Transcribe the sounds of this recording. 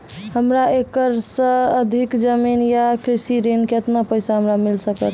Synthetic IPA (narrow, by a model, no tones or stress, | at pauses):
həmɾaekəɾsə̃əd̪ʱikd͡ʒəminjakɾisiɾenket̪napəɪsaɦəmɾamilsəkət̪ʰ